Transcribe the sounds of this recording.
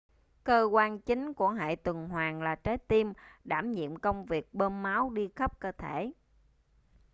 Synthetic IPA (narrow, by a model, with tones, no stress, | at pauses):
kəː˧kwaː˧nt͡ɕï˨˦ŋ̟ku˧˩əɦa̰ː˧˨jt̪wɨ˨˩ŋhwaː˨˩ŋlaː˨˩t͡ɕaː˨˦jt̪i˧mɗaː˧˩mɲḭ˧˨əmkə˧wŋ͡mvi˨˩ək̚ɓəː˧nma˨˦wɗi˧xə˦˥p̚kəː˧t̪ʰe˧˩˨